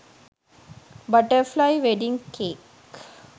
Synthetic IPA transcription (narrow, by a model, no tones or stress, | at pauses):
bɐʈəɾflaɪʋeɖɪ̃ŋɡkʰeːk